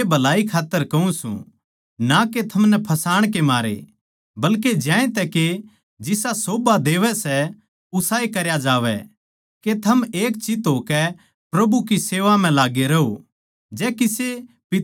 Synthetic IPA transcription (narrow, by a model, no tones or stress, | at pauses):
ebʱɐlaːikʰaːt̪ːəɾkɐũsṵ̃ | naket̪ʰɐmnɛpʰɐsaːɽ̃k̬emaːɾḛ | bɐlked͡ʒjãːẽt̪ɛke | d͡ʒɪsasoːbad̪eːʋɛsɛ | ʊsaːekɐɾjad͡ʒaːʋɛ̰ | ket̪ʰɐmeːk̚t͡ʃɪt̪ɦoːkɛ | pɾɐbukiseːʋam̤ɛ̃laːɡeɾɐɦo | d͡ʒɛːkise | pɪ